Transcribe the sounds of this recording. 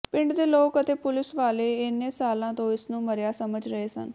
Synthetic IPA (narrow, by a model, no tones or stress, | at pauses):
pɪ̃ɳɖd̪eːloːkət̪eːpʊlɪsʋaːleːɪneːsaːlãːt̪õːɪsnũːməɾjaːsəməd͡ʒɾəɦeːsə̰n